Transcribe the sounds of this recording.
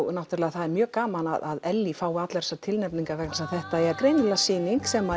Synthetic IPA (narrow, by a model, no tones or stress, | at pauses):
nawht̪ʏɾlɛːɣaθaðɛɾmjœːkaːmana̰ða̰ðɛlːifaːwat̪lɛɾ̥sat̪ʰɪlnɛpniŋkavɛknsaθɛht̪aɛkɾejnɪlasiːniŋksɛma